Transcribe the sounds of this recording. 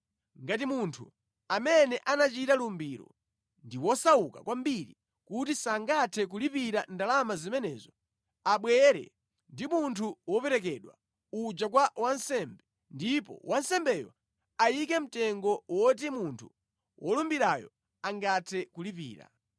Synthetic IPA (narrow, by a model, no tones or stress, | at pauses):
ŋɡatimuntʰṵ | amɛnɛʔanat͡ʃitalumbiɾɔ̰ | ndiwɔsaukakwambiɾḭ | kutisaŋɡatʰɛk̬ulipiɾandalamazimɛnɛ̰ːzɔ | aɓwɛɾɛ̰ | ndimuntʰuwɔpɛɾɛk̬ɛɗwa̰ | ud͡ʒak̬wawansɛmbɛ | ndipɔ̰wʔansɛmbɛjɔ̰ | ajikɛm̩tɛŋɡɔwɔt̬imuntʰu | wʔɔlumbiɾajɔ̰ | aŋɡatʰɛkulipḭːɾa̰